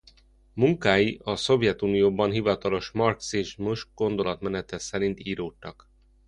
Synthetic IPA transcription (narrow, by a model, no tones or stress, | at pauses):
muŋkaːjiʔɒso̞vjɛt̪uːnijoːbɒnɦivɒt̪ɒlo̞ʃmɒrksiʒmuʃɡ̥o̞nd̪o̞lɒt̪mɛnɛt̪ɛsɛɾint̪iːɾoːt̪ːɒk